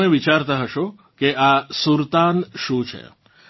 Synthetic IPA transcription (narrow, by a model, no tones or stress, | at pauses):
eʋit͡ʃaɾt̪aɦəʃo | keasuɾt̪anʃũt͡ʃʰḛ